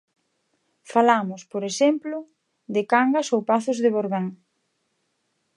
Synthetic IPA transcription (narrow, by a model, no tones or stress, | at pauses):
falamʊspoɾeʃemplʊ | ðɪkaŋɡɐsowpaθʊzðɪβoɾβaŋ